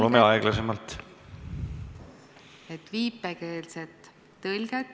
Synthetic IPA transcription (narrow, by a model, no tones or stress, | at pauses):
lumeɑeɡ̥lɑsemɑlt̪ | et̪ːviːpːeke̞ːlset̪ː | ɤlɡet̪ː